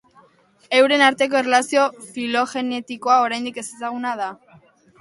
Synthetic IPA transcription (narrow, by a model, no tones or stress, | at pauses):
e̞wɾe̞naɾt̪e̞k̬o̞erelasio̞filo̞xe̞ne̞t̪iko̞ao̞ɾajnd̪ike̞sesaɣ̞unað̞a